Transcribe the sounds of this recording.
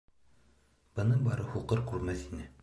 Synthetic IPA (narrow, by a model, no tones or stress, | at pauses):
b̥ɤ̆nɤɴbɑɾɤhuqɤɾkʉɾmæθinɘ